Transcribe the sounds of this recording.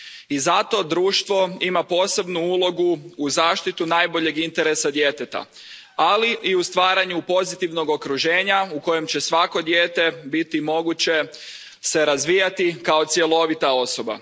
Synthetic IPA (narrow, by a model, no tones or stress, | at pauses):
izat̪o̞d̪ɾuːʃt̪ʋo̞imapo̞ːse̞bnuulˠo̞ɡuːzaːʃt̪it̪unaːjbo̞ʎe̞ɡint̪e̞ɾesad̪je̞ːt̪et̪a̰ | aliʔiust̪ʋaːɾaɲupo̞zit̪iʋno̞ɡo̞kɾuʒe̞ːɲauko̞je̞mt͡ɕe̞sʋako̞d̪jeːt̪e̞bit̪imo̞ɡut͡ɕe̞ | se̞ɾazʋiːjat̪ikao̞t̪sje̞lˠo̞ʋit̪ao̞so̞ba̰